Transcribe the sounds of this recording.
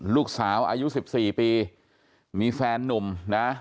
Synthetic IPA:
luː˥˩k̚saː˩˦wʔa̰ː˧ju˦˥si˨˩p̚siː˨˩piː˧ | miː˧fɛː˧nːo˨˩mna˦˥

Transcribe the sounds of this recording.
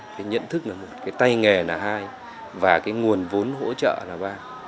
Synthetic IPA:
kaː˨˦jɲə̰˧˨nt̪ʰɨ˦˥k̚naː˨˩mo˨˩t̚kaː˨˦jt̪a˧jŋɛ˨˩naː˨˩ɦaː˧j | vaː˨˩kaː˨˦jŋu˨˩ənvo˨˦nɦo̰˧˥t͡ɕə̰ː˧˨laː˨˩ɓaː˧

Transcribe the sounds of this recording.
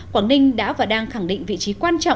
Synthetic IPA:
kwaː˧˩nï˧ŋ̟ɗa̰ː˧˥vaː˨˩ɗaː˧ŋxa˧˩ŋɗḭ̈˧˨ŋ̟vḭ˧˨t͡ɕi˨˦kwaː˧nt͡ɕɔ̰˧˨

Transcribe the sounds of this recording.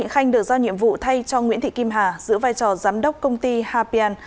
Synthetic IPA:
ŋxa˧jŋ̟ɗɨː˨˩k̚zaː˧wɲḭ˧˨əmvṵ˧˨t̪ʰa˧jt͡ɕɔ˧ŋwḭ˧˥nt̪ʰḭ˧˨ki˧mɦaː˨˩zɨ̰˧˥vaː˧jt͡ɕɔ˨˩zaː˨˦mɗə˦˥wk͡p̚kə˧wŋ͡mt̪i˧haː˧pi˧aː˧n

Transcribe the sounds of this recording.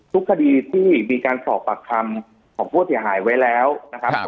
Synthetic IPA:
t̪ʰu˦˥kʰːa˧diː˧t̪ʰiː˥˩miː˧kaː˧nsɔː˨˩pːa˨˩kʰːa˧m | kʰɔː˩˦ŋpʰuː˥˩si˩˦ɐɦaː˩˦jwa˦˥jlɛː˦˥wna˦˥kʰa˦˥p̚

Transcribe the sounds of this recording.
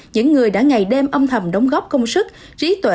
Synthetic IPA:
ɲɨ̰˧˥ŋːɨ˨˩əjɗa̰ː˧˥ŋa˨˩jɗe˧mʔə˧mt̪ʰə˨˩mɗɔ˨˦wŋ͡mɣɔ˦˥p̚kə˧wŋ͡msɨ˦˥k̚ | t͡ɕi˨˦t̪wḛ˧

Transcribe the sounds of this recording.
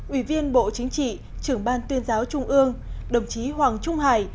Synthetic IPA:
ʔwi˧˩vi˧ənɓo̰˧˨t͡ɕï˨˦ŋ̟t͡ɕḭ˧˨ | t͡ɕɨ˧˩əŋɓaː˧nt̪wi˧ənzaː˨˦wt͡ɕʊ˧ŋ͡mʔɨ˧əŋɗə˨˩wŋ͡mt͡ɕi˨˦ɦwaː˨˩ŋt͡ɕʊ˧ŋ͡mhaː˧˩j

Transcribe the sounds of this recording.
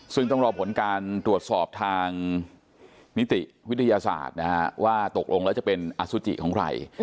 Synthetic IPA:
sɯ˥˩ŋt̪ɔ˥˩ŋɾɔː˧pʰo˩˦nkaː˧nt̪ɾu˨˩ət̪̚sɔː˨˩p̚t̪ʰaː˧ŋ | ni˦˥t̪i˨˩ʔwi˦˥t̪ʰːa˧jaː˧sa̰ː˨˩t̪̚na˦˥a˦waː˥˩t̪o˨˩k̚lo˧ŋɛː˦˥wt͡ɕa˨˩pe˧nʔa˧su˦˥t͡ɕ̪ḭ˨˩kʰɔː˩˦kʰɾa̰˧j

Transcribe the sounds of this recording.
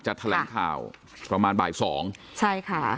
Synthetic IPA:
t͡ɕa˨˩t̪ʰːlɛː˩˦˧ŋkʰa̰ː˨˩w | pɾa˧maː˧nba̰ː˨˩jsɔː˩˦ŋt͡ɕʰa˥˩jkʰa˥˩

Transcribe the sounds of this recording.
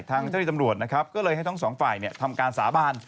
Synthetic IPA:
jt̪ʰaː˧ŋt͡ɕa˥˩niː˧˩ta˧mɾu˨˩ət̪̚na˦˥kʰa˦˥p̚kɔː˥˩lɤː˧jha˥˩jt̪ʰɔ˥˩sɔː˩˦ŋfaː˨˩jni˥˩t̪ʰa˧mkaː˧nsaː˩˦baː˧n

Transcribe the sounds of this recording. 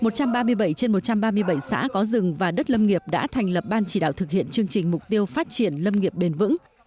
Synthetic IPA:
mo˨˩t̚t͡ɕa˧mɓaː˧mɨ˧əjɓə˧˩jt͡ɕe˧nmo˨˩t̚t͡ɕa˧mɓaː˧mɨ˧əjɓə˧˩jsa̰ː˧˥kɔ˨˦zɨ˨˩ŋvaː˨˩ɗə˦˥t̚lə˧mŋi˨˩əp̚ɗa̰ː˧˥t̪ʰɛ˨˩jŋ̟lə˨˩p̚ɓaː˧nt͡ɕi˧˩ɗa̰ː˧˨wt̪ʰɨ˨˩k̚hḭ˧˨ənt͡ɕɨ˧əŋt͡ɕï˨˩ŋ̟mʊ˨˩k͡p̚t̪i˧əwfaː˦˥t̚t͡ɕi˧˩ənlə˧mŋi˨˩əp̚ɓe˧˩nvɨ̰˧˥ŋ

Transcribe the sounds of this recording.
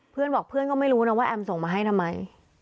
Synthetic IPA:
pʰɯ˥˩ənbɔː˨˩k̚pʰɯ˥˩ənkɔː˥˩ma˥˩jɾuː˦˥nɔ˦˥˩waː˥˩ʔɛ˧mso˨˩ŋmaː˧ɦa˥˩jt̪ʰa˧mːa˧j

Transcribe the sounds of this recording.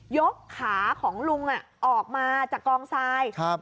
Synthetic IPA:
jo˦˥kʰːaː˩˦kʰɔː˩˦ŋlu˧ŋʔa˨˩ʔʔɔː˨˩k̚maː˧t͡ɕaː˨˩kːɔː˧ŋsaː˧jkʰa˦˥p̚

